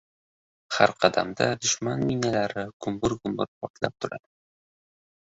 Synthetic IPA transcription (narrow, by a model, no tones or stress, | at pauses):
haɾqʰɑd̪a̰md̪a̰d̪ʊʃmanminalaɾɪɡ̥ʊmbʊɾɡʊmbʊɾpʰɒɾt̪ʰlap̚t̪ʰʊɾa̰d̪